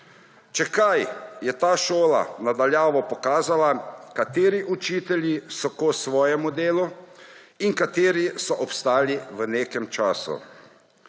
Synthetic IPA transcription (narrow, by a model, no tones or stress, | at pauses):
t͡ʃɛkajjɛt̪aːʃoːla̰nad̪aljaːʋɔpɔkaːzalakat̪eːɾiʔut͡ʃiːt̪ɛljisɔkosʋɔːjɛmud̪eːlu | iŋkat̪eːɾisɔʔɔpst̪aːliʋəneːkɛmt͡ʃaːsṵ